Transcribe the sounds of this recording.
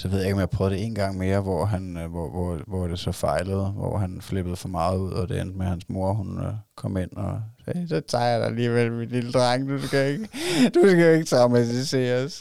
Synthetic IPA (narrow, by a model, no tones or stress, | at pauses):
sɒʋeð̰ˠaeɪɡ̥ɒmjɑ̈pʰʁœːd̥ee̝̰ːnɡ̥ɑ̈ŋ̰me̝ːɐʋɒːɦænɒʋɒʋɒd̥e̝sɒ̽fɑ̈ɪləð̞̩ˠʋɒ̰ɦænfleb̥əð̩ˠfɒ̽mɑ̈ːð̩ˠuð̞̰ˠɒ̽d̥e̝end̥mehænsmo̝ɐ̰ɦunkʰɒ̽m̰e̝n̰ɒsɛːsɒt͡sʰɑ̈ɪɐd̥ɑæliːʋel̰ʋed̥ind̥ʁɑŋ̰d̥usɡ̥æeɡ̥əd̥usɡ̥æoe̝ɡ̥ət͡sʰʁɑ̈ʊmæt͡sʰise̝̰ːɐs